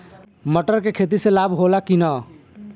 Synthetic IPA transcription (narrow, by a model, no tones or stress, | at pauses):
məʈəɾkekʰet̪̬iselabʱɦolakinə